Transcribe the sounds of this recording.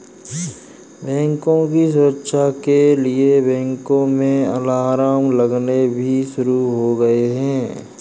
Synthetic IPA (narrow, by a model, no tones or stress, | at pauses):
bɛ̃ːŋkõkis̬ʊɾəkʃakeliebɛ̃ːŋkõmẽɐ̰laːɾaːmlɐɡnebʱiʃʊɾuɦoɡɐeɦɛ̃ː